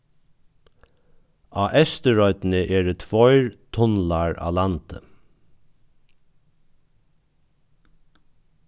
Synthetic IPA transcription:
ɑːʔɛst̪əɹɔʏt̪nəʔeːɖət̪ʰʋɔʏɹt̪ʰɔnlaɹa̰ːlant̪ə̰

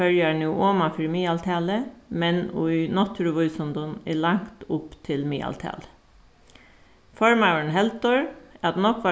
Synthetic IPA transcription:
œljɑɳuːʔoːmɑfɾiːmiːɑlt̪ʰɑːləmɛnṵʏnɔt̪ʰɾʊʋʉʏsɔnd̪ʊnɛlɑŋkt̪ʊpt̪ʰɪlmiːʔɑ̰lt̪ʰɑ̰ːlə̥ | fɔɹmaʊəɳ̩ɦɛlt̪ɔɹɑt̪nɔkːʋɑ

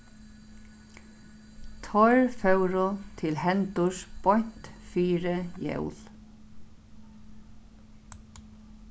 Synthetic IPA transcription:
t̪ʰɔɹfœwɾʊt̪ʰɪlhɛnt̪ʊʂpɔjn̥t̪fiːɾɪjɛ̰wl

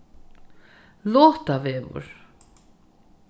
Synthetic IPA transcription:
lɔːht̪avɛːvʏ̰ɾ̥

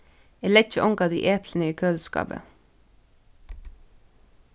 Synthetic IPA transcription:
eːlɛt͡ʃəʔɔŋɡɑd̪ḭːʔeːpʰlənəiːkʰøːlskɑ̰ːbə̰

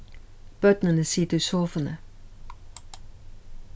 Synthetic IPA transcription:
b̥œd̪̥nənəsid̪ɪsoːfənə

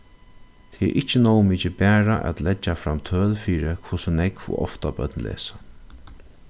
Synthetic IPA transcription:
t̪ʰɛʔɪht͡ʃːɪnɔwmiːt͡ʃɪbæːɹaʔɛ̰t̪lɛt͡ʃːafɾamːt̪ʰœːlfiːɾɪkʰvʊsʊnɛkfʊ̰ɔ̰ft̪apœ̰t̪nlɛ̰ːsḁ

